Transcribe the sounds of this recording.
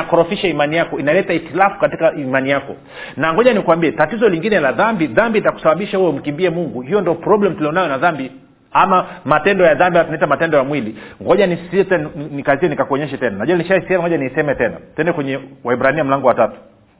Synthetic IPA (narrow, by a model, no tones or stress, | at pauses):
akɔɾɔfiʃaimanijakɔinalɛtaitilafu̥katikaimanijakɔ̰ | naŋɡɔʄanikuwambiɛtatizɔliŋɡinɛlaðambiðambitaku̥saɓaɓiʃahujɔm̩kimbiɛmuŋɡuhijɔndiɔpɾɔblɛm̩tuliɔnajɔnaðambi | amamatɛndɔjaðambiatunaitamatɛndɔjamwiliŋɡɔʄanissitɛnikaziɛnikakuɔɲɛʃɛtɛnanaʄuaniʃaishɛmaŋɡɔʄjaniisɛmɛtɛna̰tɛndɛkwɛɲɛwaiɓɾaniam̩laŋɡɔwatatu̥